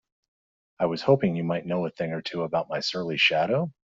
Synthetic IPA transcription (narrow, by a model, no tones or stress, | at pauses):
aɪwʌz̥hoʊpɪ̃ŋjɨmaɪtⁿnoʊəθɪ̃ŋə˞tʰʉəbaʊt̚maɪsɜ˞lˠiʃæɾoʊ